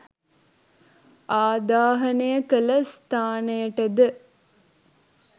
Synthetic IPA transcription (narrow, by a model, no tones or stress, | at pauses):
aːd̪aːɦɐnəjəkələst̪ʰaːnəjəʈəd̪ə